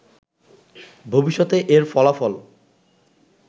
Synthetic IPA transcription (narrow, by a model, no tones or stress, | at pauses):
bʱobiʃːɔt̪eʔeɾfɔlafɔl